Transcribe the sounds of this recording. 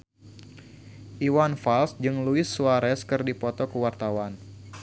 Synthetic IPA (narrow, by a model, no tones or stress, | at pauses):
ʔiwanfalsd͡ʒɨŋluɪsːuaɾɛskɨrdipɔt̪ɔkəwart̪awan